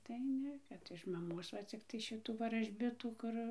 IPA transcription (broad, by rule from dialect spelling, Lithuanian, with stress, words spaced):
tɐɪ ˈnʲɛ ˈkɐt ɪʃ mɐˈmoːs ʋɐ ˈt͡sʲɪktɐɪ ˈʃʲɪtuː ʋɐrɐʒʲˈbʲɪtuː ˈkʊr